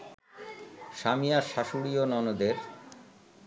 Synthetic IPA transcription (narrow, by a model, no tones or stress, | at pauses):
ʃamijaʃaʃuɽionɔnod̪eɾ